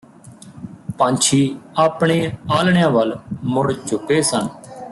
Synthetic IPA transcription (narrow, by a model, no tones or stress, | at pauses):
pãnt͡ʃʰiːaːpɳeːaːlɳɪjãːʋəlmʊɽt͡ʃʊkeːsən